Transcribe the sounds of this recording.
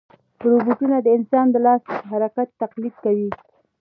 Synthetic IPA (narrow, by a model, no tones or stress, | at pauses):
ɾubuʈunad̪əɪnsɑnd̪əlɑspəɦaɾakat̪ːaqlid̪̚kawi